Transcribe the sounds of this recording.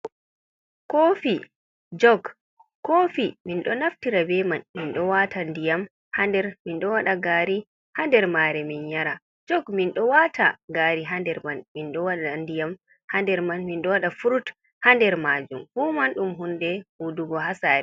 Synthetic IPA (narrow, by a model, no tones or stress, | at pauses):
koːfi | d͡ʒɔɡ | kːofiminɗɔnaftiɾabɛmanminɗɔwatʰandijam | handɛɾminɗɔwaɗaɡaːɾi | handɛɾmaːɾɛminjaɾa | d͡ʒɔɡminɗɔwatʰa̰ɡaːɾiɦandɛɾmanminɗɔwaɗandijam | handɛɾmanminɗɔwaɗafuɾut | handɛɾmaːd͡ʒumhumanɗumɦundɛhuduɡɔɦasaɾɛ